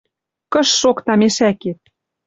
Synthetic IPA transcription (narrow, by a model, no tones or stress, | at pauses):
kə̆ʃːokt̪ɑmeʃæket̪̚